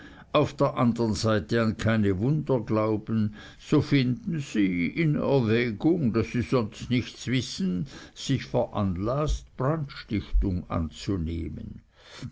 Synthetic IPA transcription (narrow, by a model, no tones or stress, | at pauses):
ʔaʊfd̥eːɐʔandəʁənzaɪtəankʰaɪnəvʊndɐɡlaʊbən̩ | z̥ofɪndn̩z̥iːɪnɛ̰ɐvɛːɡʊŋd̥asːiːz̥ɔnstnɪçtsv̥ɪsn̩z̥ɪçfɛɐʔanlastb̥ʁantʃtɪçtʊŋa̰nt͡sunḛːmən